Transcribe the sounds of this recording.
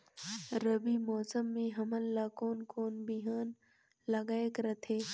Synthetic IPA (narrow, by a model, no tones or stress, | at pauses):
ɾəbimɔːsəmːẽɦɐmənlaːkoːnkoːnbiɦaːn | lɐɡaːekɾət̪ʰɦeː